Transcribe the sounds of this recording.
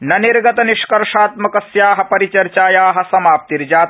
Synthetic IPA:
nɐniɾɡɐt̪ɐniʃkɐɾʂaːt̪mɐkɐsjaːɦɐ̆pɐɾit͡ʃɐɾt͡ʃaːjaːɦɐ̆sɐmaːp̚t̪iɾd͡ʒaːt̪

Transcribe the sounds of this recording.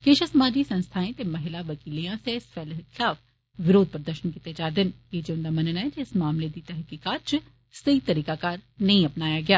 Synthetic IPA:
keːʃɐsɐmaːd͡ʒisɐ̃nst̪ʰaːẽt̪emɐɦɪlaʋɐkiːlijãseɪsfʰɛːlɪt̪ɪlaːf | ʋɪɾoːd̪̚pɐɾd̪əʃənkit̪ed͡ʒaːɾd̪ɪnjeːd͡ʒeʊ̃nd̪amɐnənɛd͡ʒɪsmaːmled̪it̪ɛɦkiːkaːt̪̚t͡ʃʊ | sɐit̪ɐɾiːkakaːɾnɐɦĩɐpnaːjaɡɐjaː

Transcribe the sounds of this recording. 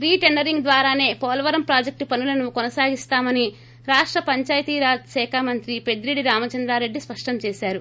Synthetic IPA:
ɾiːʈeɳɖɐɾiŋɡd̪ʋaːɾaːne̞ːpɔːlɐʋɐɾɐmpɾaːd͡ʒek̚ʈupɐnulɐnukɔnɐsaːɡist̪aːmɐni | ɾaːʂʈɾɐpɐɲt͡ʃaːjɐt̪iːɾaːd͡ʒsɛːkʰaːmɐnt̪ɾipe̞d̪ɾiɽiɾaːmɐt͡ʃɐnd̪ɾaːɾe̞ɖːispɐʂʈɐmt͡ʃɛːsaːɾu

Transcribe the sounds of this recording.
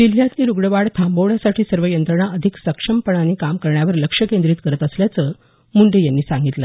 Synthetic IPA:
d̪il̤ːjãt̪liːɾuɡɽəʋaɽt̪ʰambowɽjasaʈʰiːsəɾʋəjənt̪ɾəɳaəd̪ʱiksəkʂəmpəɳaniːkamkəɾɳjaʋəɾləkʂəkend̪ɾiːt̪kəɾət̪əsljat͡sə | muɳɖejanːiːsãŋɡit̪lə

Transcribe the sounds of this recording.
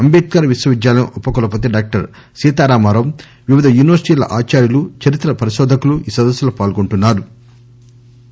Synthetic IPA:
ɐmbeːt̪̚kaːɾɐʋisʋɐʋid͡ʒ̪jaːlɐniʔupːɐkulɐp̬oːt̪eɖaːk̚ʈɐɾ | siːt̪aːɾaːmaːɾɐm | ʋiʋid̪ʱɐjuːniʋɐɾsiʈiːlɐ̰ʔaːt͡ʃaːɾjulut͡ʃɐɾit̪ɾɐpɐɾiʃɔːd̪ʱɐkuluiːsɐd̪ɐsjɐlɐpaːlɡoɳʈunːaːɾu

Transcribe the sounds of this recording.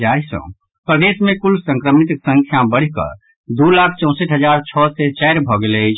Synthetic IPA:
d͡ʒaisə̰̃ | pɾəd̪esmẽkulsə̃ŋkɾəmit̪ksə̃ŋkʰjabəɽ̤ikə̰ɾ | d̪ulakʰt͡ʃɔ̃ʊ̃seʈɦəd͡ʒaɾt͡ʃʰɔsɛt͡ʃɛɾbʱɔɡelət͡ʃʰ

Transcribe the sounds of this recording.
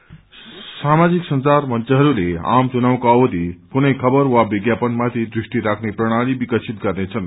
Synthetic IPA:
samad͡ziksʌnsarmʌnt͡siɦʌɾulea̰mt͡sunaw̃koʌwʌd̪ʱikunʌjkʰʌbʌrwabiɡjapʌnmat̪ʰid̪risʈiɾakʰneprʌɽ̃alibikʌt͡sʰit̪̚ɡʌrnet͡sʰʌn

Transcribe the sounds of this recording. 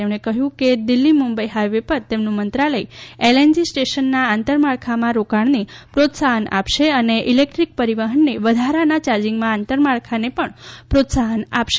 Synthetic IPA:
emɳekəɦjũked̪ɪlːimumbəjɦaʋepəɾt̪emnũmənt̪ɾaləielend͡ʒisʈeʃənːaːnt̪əɾmaɭkʰamãɾokaɳnipɾot̪saɦəna̰pʃeəneʔilek̚ʈɾik̚pəɾiʋaɦənːeʋəd̪ʱaɾanat͡ʃaɾd͡ʒɪŋɡmãant̪əɾmaɭkʰanepəɳpɾot̪saɦəna̰pʃe̥

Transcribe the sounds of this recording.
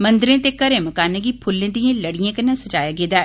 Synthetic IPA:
mənd̪ɾẽːt̪eːkəɾẽːməkaːnẽɡipʰʊlːẽːd̪ijãːləɽijãːkənːãːsəd͡ʒaːjaːɡeːd̪aː

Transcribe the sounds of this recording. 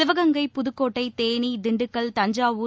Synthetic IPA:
ɪʋɐɣɐŋɡɐɪpːʊðɯkːoːʈːɐɪt̪eːnid̪ɪɳɖɯkːɐɭt̪ɐɲd͡ʒaːʋuː

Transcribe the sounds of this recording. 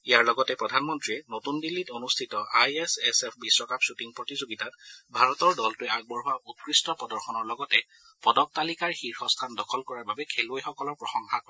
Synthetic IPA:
ijaɹlɔɡɔtɛpɹɔdʱanmɔntɹiɛnotunbilːitonustʰitɔʔajɛsɛsɛpʰbisɹɔkapsutiŋpɹɔtizoɡitat̚bʱaɹɔtɔɹdɔltʊɛaɡ̚bɔɹɦʊaʔut̚kɹistɔpɔdɔɹxɔnɔɹlɔɡɔtɛ | pɔdɔk̚talikaɹxiɹxɔstʰandɔkʰɔlkɔɹaɹbabɛkʰelojxɔkɔlɔɹpɹɔxɔŋxakɔ

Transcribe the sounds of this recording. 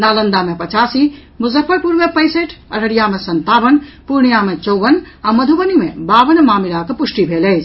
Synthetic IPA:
naːlənd̪amepət͡ʃasi | mʊzəfʰːəɾpuɾmepəɪseʈʰə̰ɾəɽijamesənt̪abənpuɾɳ̃ijamet͡ʃɔwʋən | aməd̪ʱubənimebabənmamilakepusʈibʱeləɪt͡ʃʰ

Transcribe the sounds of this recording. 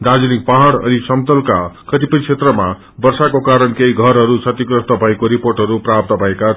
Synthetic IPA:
d̪ad͡zunik̚paɦaɽʌ̰nisʌmt̪ʌlkakʌt̪ipʌjkt͡sʰet̪rʌma | bʌrsakokaɾʌnkeiɡʱʌɾɦʌɾut͡sʰʌt̪ikrʌst̪ʌbʱʌekoɾiporʈɦʌɾuprap̚t̪ʌbʱʌeka

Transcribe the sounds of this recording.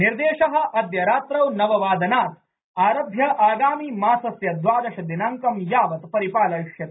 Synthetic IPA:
niɾd̪eːʃɐɦɐ̆ʔɐd̪jɐɾaːt̪ɾɐwnɐʋɐʋaːd̪ɐnaːt̪ | aːɾɐb̪ʱjɐʔaːɡaːmiːmaːsɐsjɐd̪ʋaːd̪ɐʃɐd̪inaŋkɐmjaːʋɐt̪pɐɾipaːlɐkʂjɐt̪

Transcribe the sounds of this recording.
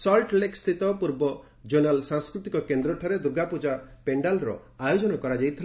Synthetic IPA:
sɔlʈlekst̪ʰit̪ɔpuɾbɔ | d͡ʒonalsãŋskɾut̪ikɔkend̪ɾɔʈʰɔɾed̪uɡapud͡ʒapeɳɖalɾɔ̰ | ajod͡ʒɔnɔkɔɾad͡ʒajt̪ʰil

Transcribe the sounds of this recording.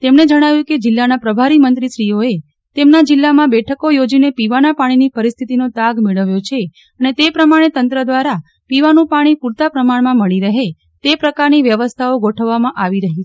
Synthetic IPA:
t̪emɳed͡ʒəɽ̃aʋjũked͡ʒɪlːanapɾəbʱaɾimənt̪ɾiʃɾijoe | t̪emnad͡ʒɪlːamãbɛʈʰəkojod͡ʒinepiʋanapaɽ̃inipəɾist̪ʰit̪inot̪aɡmeɭəʋjot͡ʃʰe | ənet̪epɾəmaɽ̃et̪ənt̪ɾəd̪ʋaɾa | piʋanũpaɽ̃ipuɾt̪apɾəmaɳmãməɭiɾəɦe | t̪epɾəkaɾniʋjəʋəst̪ʰaoɡoʈʰəʋːamãʔaʋiɾəɦi

